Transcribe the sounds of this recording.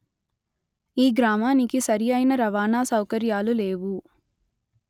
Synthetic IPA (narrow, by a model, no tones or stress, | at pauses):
iːɡɾaːmaːnikisɐɾijɐjnɐɾɐʋaːnaːsɐwkɐɾjaːluleːʋu